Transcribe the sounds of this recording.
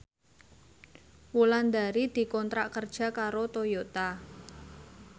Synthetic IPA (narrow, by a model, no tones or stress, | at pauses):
wuland̪aɾid̪̥i̤kɔnt̪ɾaʔkərd̥ʒ̥a̤kaɾot̪ojot̪a